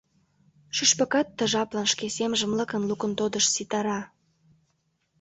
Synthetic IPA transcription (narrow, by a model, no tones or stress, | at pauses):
ʃyʃpəkɑt̪ːə̆ʒɑplɑnʃkesemʒə̆mləkənlukə̆nt̪od̪əʃsit̪ɑɾɑ